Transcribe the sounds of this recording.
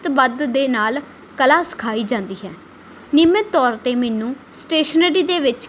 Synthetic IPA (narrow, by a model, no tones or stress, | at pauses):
t̪bəd̪d̪eːnaːl | kəlaːsə̥kʰaːiːd͡ʒãːnd̪iːɦɛː | nɪmet̪ːɔːɾt̪eːmɛːnũː | sʈeːʃəneːɾiːd̪eːʋɪt͡ʃ